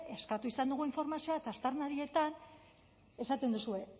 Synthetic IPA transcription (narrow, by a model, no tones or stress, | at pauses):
e̞skat̪uisand̪uɣ̞uiɱfo̞ɾmasio̞at̪ast̪aɾnaɾie̞t̪an | e̞sat̪end̪usue̞